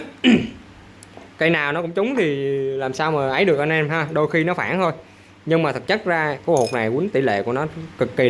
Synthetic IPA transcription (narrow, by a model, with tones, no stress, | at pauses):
kə˧jnaː˨˩wnɔ˨˦kʊ̰˧˥ŋ͡mt͡ɕʊ˨˦ŋ͡mt̪ʰi˨˩laː˨˩msaː˧wmaː˨˩ʔə˨˦jɗɨ˨˩ək̚ʔə˧nʔɛ˧mɦaː˧ɗo˧jxi˧nɔ˨˦faː˧˩nt̪ʰo˧j | ɲɨ˧ŋmaː˨˩t̪ʰə˨˩t̚t͡ɕə˦˥t̚zaː˧ku˧˩ho˨˩t̚na˨˩jkwi˨˦ənt̪i˧˩lḛ˧˨ku˧˩ənɔ˨˦kɨ˨˩kːi˨˩